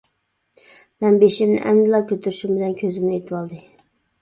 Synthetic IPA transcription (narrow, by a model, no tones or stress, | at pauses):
mæmbeʃɪɾnɪ̰ʔæmd̪lˠɑkʲʰøt̪ʰyɾɪʃɪmbɪlænkʲʰøzɪmnɪet̪ʰɪbɑlˠd̪ɪ